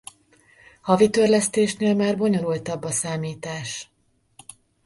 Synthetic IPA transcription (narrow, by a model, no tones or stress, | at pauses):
hɒvit̪ørlɛst̪eːʃneːlmaːrbo̞ɲo̞ɾult̪ɒbːɒsaːmiːt̪aːʃ